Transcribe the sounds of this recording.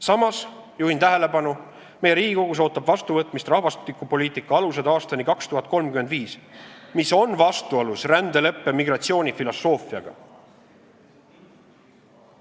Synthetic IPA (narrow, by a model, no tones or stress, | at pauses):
sɑmɑs | juhint̪æɦe̞le̞bɑnu | me̞jeɾiːɡiko̞ɡ̥us̬o̞ːt̪ːˑɑbvɑst̪uvɤt̪ˑmist̪rɑhvɑst̪likːˑupo̞liːt̪ikːˑɑɑluse̞d̪̥ɑːst̪ɑnikɑkst̪uɦɑt̪̚ˑko̞lmkymend̪viːsmiso̞nvɑst̪uolusrænd̪e̞le̞pːe̞miɡrɑt̪sio̞ːnʲifilo̞sːo̞ːfiɑɡ̥ɑ̰